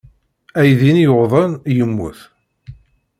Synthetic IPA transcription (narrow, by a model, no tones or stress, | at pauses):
æjðinjoʁðˤənjəmːʊ̰θ